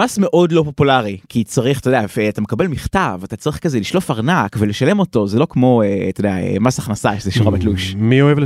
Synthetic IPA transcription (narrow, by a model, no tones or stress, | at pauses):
asme̞ʔo̞dlo̞po̞pulaʁikʰit͡saʁiχt̪ojdeafeatame̞kabe̞lmiχtavatat͡saʁiχkazeliʃlofaʁnakvele̞ʃale̞moto̞zelo̞kmo̞et̪odeaḛmasaχnasaʃezeʃoʁamat̪luʃmioevl